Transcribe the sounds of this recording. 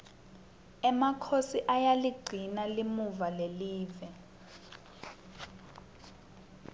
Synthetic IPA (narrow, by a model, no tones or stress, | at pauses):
ɛmakʰosiʔajaliɡ͡ǀʱinalimuvaleliːvɛ